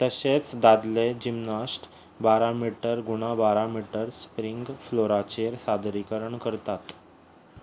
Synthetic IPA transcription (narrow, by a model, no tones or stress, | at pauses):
t̪əset͡sd̪ad̪led͡ʑimnasʈ | baɾamiʈəɾɡuɽ̃abaɾamiʈəɾspɾiŋɡfloɾat͡ɕeɾsad̪ɾikəɾəɳkəɾt̪at̪